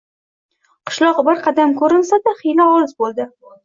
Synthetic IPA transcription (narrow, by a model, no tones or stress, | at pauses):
qʰɨ̥ʃlˠɒqbɪɾqʰɑd̪amkʰɵɾɪnsad̪aχijlaɒlzbolˠd̪ɪ